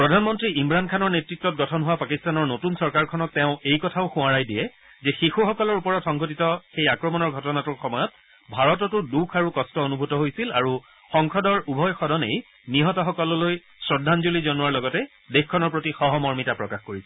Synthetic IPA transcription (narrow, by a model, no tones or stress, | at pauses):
pɹɔdʱanmɔntɹiimɹankʰanɔɹnetɹitːɔt̚ɡɔtʰɔnɦʊwapakistanɔɹnotunsɔɹkaɹkʰɔnɔk̚tɛʊ̃ejkɔtʰaʊxũwaɹajdijɛ | zɛxixuxɔkɔlɔɹupɔɹɔtxɔŋɡotitɔxejakɹɔmɔnɔɹɡʱɔtɔnatuɹxɔmɔjɔt̚ | bʱaɹɔtɔtʊɹdukʰaɹukɔstɔonubʱutɔɦojsilaɹu | xɔŋkʰɔdɔɹubʱɔjxɔdɔnḛj | niɦɔtɔxɔkɔlɔloj | sɹɔdʱanzulizɔnuwaɹlɔɡɔtɛ | dexkʰːɔnɔɹpɹotixɔɦɔmɔɹmitapɹɔkaxkoɹisɛ